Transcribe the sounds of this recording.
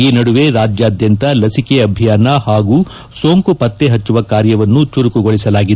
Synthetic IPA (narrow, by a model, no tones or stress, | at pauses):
iːnɐɽuʋe̞ɾaːd͡ʒjaːd̪jɐnt̪ɐlɐsike̞ɐbʱjaːnɐhaːɡuː | soːŋkupɐt̪ːe̞ɦɐt͡ʃːuʋɐkaːɾjɐʋɐnːut͡ʃuɾukuɡoɭisɐlaːɡid̪